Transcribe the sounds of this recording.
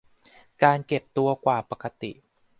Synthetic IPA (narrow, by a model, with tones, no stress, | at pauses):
kaː˧nke˨˩p̚t̪u˧ɐkwaː˨˩pa˧˩ka˧t̪ḭ˨˩ʔ